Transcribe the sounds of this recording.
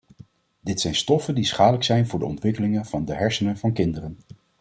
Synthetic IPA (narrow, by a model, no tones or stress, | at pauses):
dɪtsɛjnstɔfəndisχaːdələksɛjnvʊːɹdə̰ɔ̰ntʋɪkəlɪŋənv̥ɑndəɦɛɹsənənvɑnkɪndərən